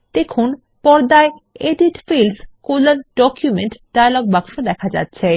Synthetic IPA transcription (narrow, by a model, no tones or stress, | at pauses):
t̪ekʰon | pɔɾd̪aeeɖiʈfilskolaɾɖɔkjumeɳʈɖajaloɡ̚baŋʃod̪ɛkʰad͡ʑa̰tːɕʰe